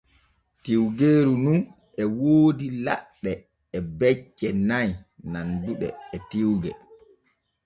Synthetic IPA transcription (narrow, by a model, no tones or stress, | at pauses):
tiwɡeːɾunun | ɛwoːdila̰ɗːɛː | bɛt͡ʃːɛnajnanbuɗɛ̰ːtiwɡɛ